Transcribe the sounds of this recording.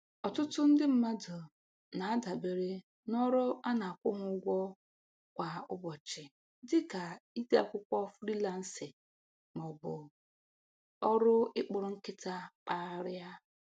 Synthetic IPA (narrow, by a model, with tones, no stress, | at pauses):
ɔ˨tʊ˦tʊ˦n̩˦dɪ˦m̩˦ma˦dʊ˨ | na˨a˦da˨be˨ɾe˦ | nɔ˦ɾʊ˦a˦na˨a˨kʷʊ˦ɦʊ˦ʊ˦ɡʷɔ˦ | kʷa˨ʊ˦bɔ˨t͡ʃɪ˨ | dɪ˦ka˨i˦de˦a̰˨kʷʊ˦kʷɔ˦fɾi˦la˨n̩˦sɪ˨ | mɔ˨bʊ˨ | ɔ˦ɾʊ˦ɪ˦k͡pʊ˨ɾʊ˨ŋ̩˦kɪ˦ta˦k͡pa˦ɾa˦